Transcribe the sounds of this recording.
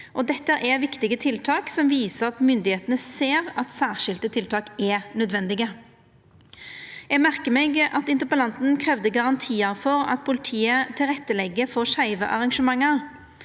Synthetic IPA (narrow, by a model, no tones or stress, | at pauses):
ʔɔd̪ɛt̪ːəʔɛʋɪkt̪ɪɡət̪ʰɪlt̪ʰɑːksɔmʋiːsəʁɑt̪mʏnd̪ɪheːt̪ənəseːʁɑt̪sæːʁʃɪlt̪ət̪ʰɪlt̪ʰɑːkɛnœd̪ʋɛnd̪ɪɡə | jɛɡmæʁkəmɛɡɑt̪ɪnt̪əpəlɑnt̪n̩kʰʁɛʋd̪əɡɑʁɑnt̪ʰiːɑɾfɔʁɑ̰t̪̚pʰʊlɪt̪ʰiːət̪ʰɪlʁɛt̪ːəlɛɡːəfɔʂæɪʋəʔɑʁɑŋʃəmɑŋːəʁ